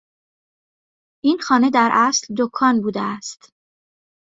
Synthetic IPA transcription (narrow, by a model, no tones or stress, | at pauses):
ʔinxɒːne̞d̪æɾʔæsld̪okʰɒːnbuːd̪eæst̪